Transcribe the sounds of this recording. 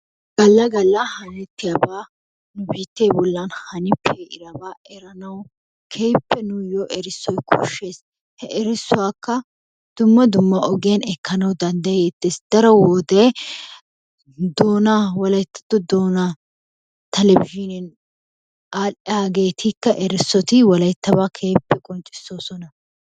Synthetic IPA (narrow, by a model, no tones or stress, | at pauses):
ɡ̥ɐlːɐɡɐlːɐhɐnɛt̪ːɪjɐbaː | nʊbiːt̪ːeːbɔlːɐnhɐnɪpʰːeʔɪ̰ɾɐbaːʔɛɾɐnɐw | kʰɛjpːɛnʊjoːʔɛɾɪsːɔjkʰʊ̰ʃeːs | hɛʔɛɾɪsːʊwaːkːɐ | d̪̥ʊmːɐd̪ʊmːɐʔɔɡɪjɐnɛkːɐnɐwd̪ɐnd̪ɐet̪ːeːsd̪ɐɾɔwɔd̪ɛ | d̪oːnawɔlɐjt̪ːɐ̥d̪ɔd̪oːna | t̪ɛlɛbɪʒɪnɛn | aːʔɪjaːɡe̞ːt̪ʰɪkːɐʔɛɾɪsːɔt̪ɪwɔlɐjt̪ːɐbaːkʰeːpːɛkʼɔnt͡ʃʼɪ̥sːo̞ːsɔnɐ